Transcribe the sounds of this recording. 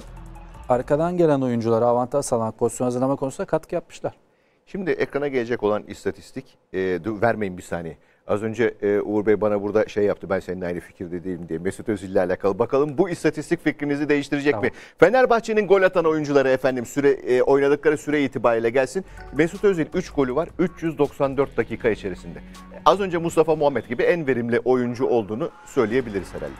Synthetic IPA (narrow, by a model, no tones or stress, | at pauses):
aɾkad̪anɟe̞lʲæno̞jund͡ʒulˠaɾɯavant̪ʰaʒsalˠamakkʰozsjonazɯɾlˠamakʰonusund̪akʰat̪kʰɯjapmɯ̥ʃlˠaɾ̥ | ʃimd̪ɪʔekɾanaɟe̞lʲed͡ʒɛco̞lˠanḭst̪ʰat̪ʰi̥st̪ʰic | ɛd̪væɾme̞jimbisa̰ːnejɛ | azø̞nd͡ʒɛːouɾbejbanabuɾd̪aʃe̞jːap̚t̪ʰɯbænseninajnɯfi̥cʰiɾd̪ɛd̪ijelʲimd̪ijɛmesut̪øzilʲːæɾlʲɛkʰalˠɯbakʰalˠɯmbuist̪ʰat̪ist̪ʰicʲficɾinizid̪e̞jiʃt̪ʰiɾed͡ʒɛmi | fe̞næɾbaxt͡ʃʰe̞ninɡo̞lʲat̪ʰano̞jund͡ʒulˠaɾɯefænd̪imsyɾɛʔo̞jnad̪ɯklˠaɾɯsyɾɛiːt̪ʰibaːɾijlʲɛɟælʲsinmesut̪øzilʲyt͡ʃɡʰo̞lʲuvaɾyt͡ʃjyzd̪o̞ksand̪øɾt̪̚d̪acʰiːkʰait͡ʃʰe̞ɾisind̪ɛ | azø̞nd͡ʒɛmust̪ʰafamuɦamːɛt̪ɟibiænve̞ɾimlʲiʔo̞jund͡ʒuʔo̞lˠd̪uːnu | sø̞jlʲeje̞bilʲiɾiz̥heɾæ̰lʲːɛ